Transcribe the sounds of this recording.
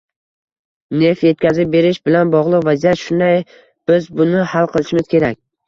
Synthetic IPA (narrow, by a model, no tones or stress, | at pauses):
ne̞fje̞t̪̚kʲazɪp̚be̞ɾɪʃbɪlanbɒʁlˠɨqvazijat̪ʃʊnd̪aj | b̥ɪzbʊnɪhalˠqʰɨlˠɪʃɪmɪz̥kʲʰe̞ɾakʲ